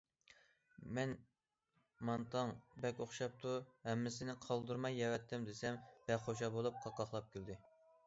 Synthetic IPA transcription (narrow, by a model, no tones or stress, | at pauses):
mɛn | mɑnt̪ʰɑŋbɛkʲoχʃɑp̚t̪ʰuhɛmːɪsɪnɪqʰɑlˠd̪uɾmɑjːɛwɛt̪ʰːɪmd̪esɛmb̥ɛχoʃ̬ɑbolˠup̚qʰɑqɑχlˠɑp̚kʲʰild̪ɪ